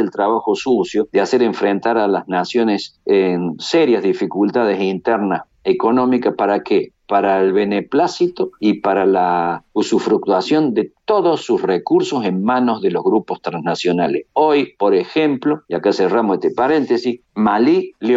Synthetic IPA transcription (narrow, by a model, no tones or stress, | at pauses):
elt̪ɾaβaxo̞susjod̪easeɾeɱfɾent̪aɾalaznasjo̞nesenseɾjazðifikult̪að̞esint̪eɾnas | eko̞no̞mikaspaɾakepaɾaelβe̞neplasit̪oipaɾalausufɾuk̚t̪wasjo̞nd̪et̪o̞ðosːusrekuɾso̞se̞nmãno̞zðe̞lo̞ɦɣɾupost̪ɾãnsnasjo̞nalesojpo̞ɾexe̞mplo̞iakaseramoset̪epaɾe̞nt̪esis | malil